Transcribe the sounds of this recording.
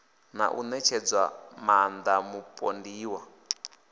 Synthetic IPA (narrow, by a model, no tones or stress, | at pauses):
na̰ʔṵnɛt͡ʃʰɛd͡zwamand̪amupʼondiːwa